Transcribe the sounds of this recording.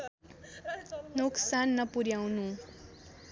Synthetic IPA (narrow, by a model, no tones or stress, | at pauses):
nuksanːʌpuɾjawnu